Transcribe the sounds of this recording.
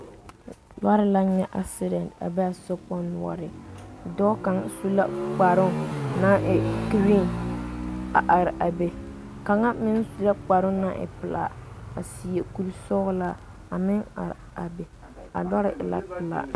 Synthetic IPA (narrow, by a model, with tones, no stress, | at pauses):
la˦ɾɪ˦la˦nɛ˦ʔa˨sɪ˦ɾɛ˨nda̰˨bɛ˦a˨sɔ˦pɔ˦n˨ɔ̰˦ɾɪ˨dɔː˦ka˨ŋsu˦la̰˦k͡pa˨ɾʊ˦ŋna˦ʔɪ˨ki˨ɾi˦n | a˨ʔa˨ɾɪ˨ʔa˨be˨ | ka˨ŋa˦mɪ˦nsu˨la˦k͡pa˨ɾʊ˦na˦ʔɪ̰˨pɪ˨la̰˨ | a˨si˨je˨ku˦lsɔ˦ɣla˦ | a˨mɪ˦ŋa̰˨ɾa˨be˨ | a̰˨la˦ɾɪ˦ʔɪ˨la̰˦pɪ˨la̰˨